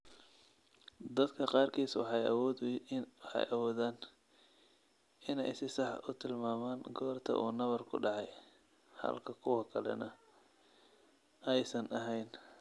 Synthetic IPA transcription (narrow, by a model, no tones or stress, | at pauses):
d̪ɐd̪kʰɐqɑːrkʰiːswɑ̰ħɑjɐw | wħɑ̰jɐwɔːðaːn | ɪnɛ̰jsɪsɑħʊt̪ʰɪlmaːmaːnɡɔːrt̪ʰɐ̰ʔuːnɐβɐrkʰʊ̰ɖɑʕɑj | hɐ̰lkʰɐkʰʊwɐkʰɐlɛ̰nɐ | ɛjsɐnɐɦɛjn